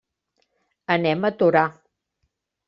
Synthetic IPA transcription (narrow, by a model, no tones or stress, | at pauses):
ənɛmət̪uɾa